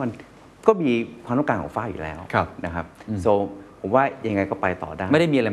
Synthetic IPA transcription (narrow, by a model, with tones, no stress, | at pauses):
ma˧n | kɔː˥˩miː˧kʰaː˧na˥˩˨kaː˧kʰɔ̰˨˩˦faː˥˩jṵː˨˩lɛ̰ː˦˥wkʰa˧˩pna˦˥kʰa˦˥p̚soː˧ppʰo˩˦mwaː˥˩ja˧ŋːa˧jkɔː˥˩pa˧jt̪ɔ̰ː˨˩daː˥˩m˥˩da˥˩mːi˧a˧a˧